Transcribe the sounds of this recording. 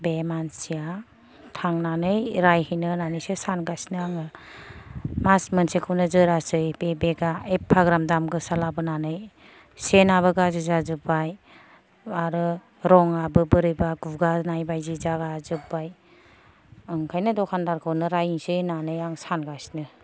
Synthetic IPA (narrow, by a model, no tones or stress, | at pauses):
bemansija | tʰaŋnanɯjɾajhɯjnɯnanɯjsɯsanɡasnɯaŋɯ | masmɯnsekʰɯwnɯzɯɾasɯjbebeɡaepʰaɡɾamdamɡɯsalabɯnanɯj | senabɯɡazɯzazɯbaj | aɾɯ | ɾɔŋabɯbɯɾɯjbaɡuɡanajbajzizaɡazɯbaj | ɯŋkʰajnɯdɔkʰandaɾkʰɯwnɯɾajiŋsɯjnanɯjaŋsanɡasnɯ